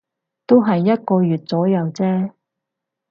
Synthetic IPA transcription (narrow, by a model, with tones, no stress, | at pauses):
t̪o˥wɦɐ˨jːɐ˥t̚kɔː˧jyː˨t̚t͡sɔː˨˥jɐ˨˧wt͡sɛː˥